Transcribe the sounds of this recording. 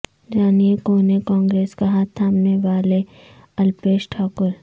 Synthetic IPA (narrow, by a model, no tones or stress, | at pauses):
d͡ʒaːniekoːnekɔ̃ːŋɡɾeːskɐɦat̪ʰaːmneʋaːle | ɐlpeːʃʈʰaːkʊɾ